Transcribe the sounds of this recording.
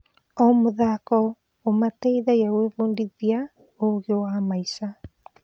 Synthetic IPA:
ɔmoðakɔ | omateiðajaweβondiðia | oɣewamaisa

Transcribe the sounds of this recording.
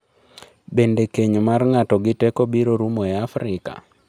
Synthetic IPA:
bendekeɲmarŋatɔɡɪtɛkobiɾoɾumoɛafɾɪka̰

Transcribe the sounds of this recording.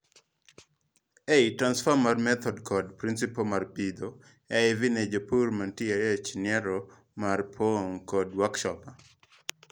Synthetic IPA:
eitɾansfɔmarmɛt̪ʰɔdkʰɔdpɾinsipomarpid̪o | ɛɪvined͡ʒopurmantiajet͡ʃnɪɛɾɔ | marpʰoŋkɔdwakʃɔpa

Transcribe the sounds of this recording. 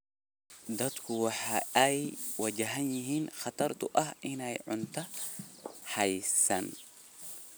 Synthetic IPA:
d̪ɐd̪kʰʊwɑħɑɛjwɐd͡ʒɐɦɐnjɪɦiːnxɑt̪ʰɐrt̪ʰʊʔɐɦɪnɛjʕʊnt̪ʰɐ | hɐjsɐ̰n

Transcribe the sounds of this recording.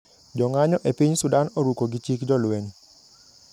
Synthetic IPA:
d͡ʒɔŋaɲɔʔepiɲsʊdanɔɾukoɡit͡ʃikd͡ʒɔlwen

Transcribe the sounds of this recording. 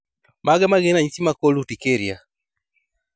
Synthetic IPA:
maɣɛmaɣenaɲisimakolutikeɾja

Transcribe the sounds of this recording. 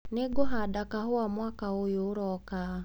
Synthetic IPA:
neɡɔɦadakaɦʊwamwakaojoːɾɔka

